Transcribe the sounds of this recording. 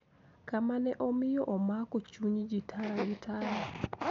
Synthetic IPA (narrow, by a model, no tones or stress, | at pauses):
kamanɛʔɔmɪjɔʔɔmakot͡ʃuɲd͡ʒitʰaɾaɡɪtʰaɾa